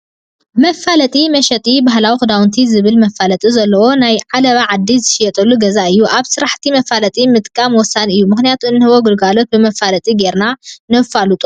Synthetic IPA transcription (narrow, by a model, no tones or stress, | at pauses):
mɐfalɐt̪ʼimɐʃɐt̪ʼibaɦlawixɨd̪awnt̪ʰizɨβɨlmɐfːalɐt̪ʼizɐlːɐwo̞najʕalɐβaʕad̪ːizɨʃɪjɛt̪ʼɐlːuɡɐzaɨjːuʔaβsɨɾaħt̪ʰimɐfalɐt̪ʼimɨt̪ʼkʼamwɔsːanɨjːumɨxnijat̪ʰuɨnːɨhɨβoɡɨlɡalo̞t̪̚bɨmɐfalɐt̪ʼiɡeɾnanɐfalut̪ʼu